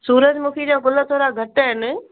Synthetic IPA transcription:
suːɾəd͡ʑmũːkʰed͡ʑãːkʊlət̪ʰoːɾaɡʱɐʈɦɪnɪ̆

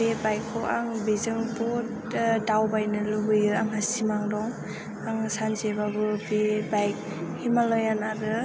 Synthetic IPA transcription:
bebajkʰːɔaŋbizɯŋpɔ | dawbajnɯlubɯjɯaŋasimaŋdɔŋ | aŋsanzebabɯbebajk̚ | himalɯjanaɾɯ

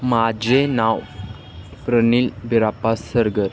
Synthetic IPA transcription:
mad͡ʑenaw | pɾəniːlbiɾapasəɾɡəɾ

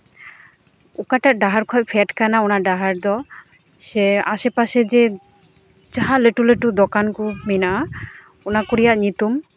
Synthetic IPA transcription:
ukaʈaʔɖaɦaɾkʰɔʔpʰɛʈkanaɔnaɖaɦaɾd̪ɔ | sɛaʃepaʃed͡ʒe | t͡ʃaɦaleʈuleʈud̪ɔkankuminaʔa | ɔnakoɾijaʔɲit̪um

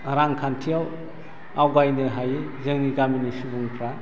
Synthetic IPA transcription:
ɾaŋkʰantʰijaw | awɡajnɯɦajizɯŋniɡaminisubuŋkʰɾa

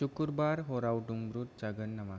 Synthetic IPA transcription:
ukuɾbaɾɦoɾawʈuŋbɾut̪̚d͡ʒaɡənːama

